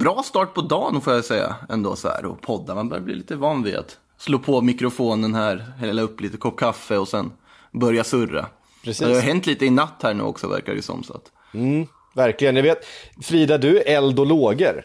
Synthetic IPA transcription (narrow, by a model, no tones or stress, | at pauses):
bɾɑːst̪ɑːʈ̚pʰɔd̪ɑːnfoːjasɛjːa̰ɛnd̪o̰ːsɔhæ̰ːɾɔ̰pʰɔd̪ːamanbœ̰ɾjablḭːliːt̪əvɑːnvɪa̰t̪ | sloːpʰɔmɪkɾʊfoːnənhæːɾhɛlːaɵpːliːt̪əkʰɔp̚kʰafəɔsɛn | bœɾjasɵrːa̰ | ɾɛssd̪ɛhaɾɦɛnt̪liːt̪əɪnat̪ːhæːɳʉ̟ːɔ̰ksɔvæ̰ɾka̰dɛ̰ʉ̰sɔ̰msɔ̰t̪̩ː | væɾklɪɡənjaveːt̪fɾiːd̪ad̪ɵʔɛld̪ɔloːɡəɾ